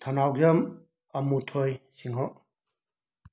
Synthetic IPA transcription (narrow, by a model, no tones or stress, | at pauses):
t̪ʰɐnawzɐm | ɐmutʰojsiŋɦɔ